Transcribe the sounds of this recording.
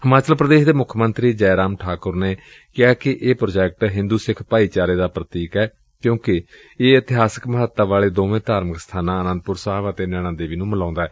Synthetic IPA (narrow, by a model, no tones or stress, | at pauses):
həmaːt͡ʃəlpɾəd̪eːʃd̪eːmʊkʰmənt̪ɾiːd͡ʒɛːɾaːmʈʰaːkʊɾneː | kɪaːkɪʔeːpɾoːd͡ʒɛːk̚ʈɦɪ̃nd̪uːsɪkʰpaːiːt͡ʃaːɾeːd̪aːpɾət̪iːkɛː | kjõːkɪ | eːət̪ɪɦaːsə̥kməɦət̪ːaːʋaːleːd̪oːʋẽːt̪aːɾməkst̪ʰaːnãːənə̃nd̪̚pʊɾsaaːʋət̪eːnɛːɽ̃ãːnd̪eːʋiːnũːməlãːnd̪aːɦɛː